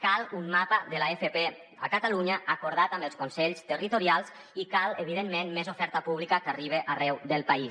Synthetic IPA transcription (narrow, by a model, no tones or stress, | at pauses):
kalˠumːapəðəlaefepe | a̰kat̪aluɲəʔakuɾð̞at̪ambəlˠskunsɛʎst̪ərit̪uɾialˠz | ikaləβiðemːenmezofɛɾt̪əpuβlikəkariβ̞eʔarɛwðəlˠpai